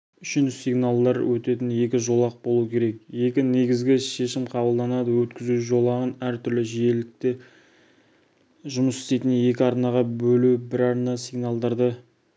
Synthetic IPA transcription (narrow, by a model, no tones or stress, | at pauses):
ʏʃɪnɪsiɡnalˠd̪ɑɾwɵt̪e̞t̪ɪnje̞kʲɪʒo̞lˠɑq̚bo̞lˠukʲʰe̞ɾe̞k̚je̞kʲɪne̞ɡʲɪzɡʲɪʃe̞ʃɪmqʰɑbəlˠd̪ɑnɑd̪əwɵt̪kʲɪzuʒo̞lˠɑʁənæɾt̪ʰʏɾlɪʒije̞lɪk̚t̪e | ʒʊməsɪ̥st̪e̞jt̪ɪnje̞kʲɪɑɾnɑʁɑbɵlubɪɾɑɾnɑsiɡnalˠd̪ɑɾd̪ɑ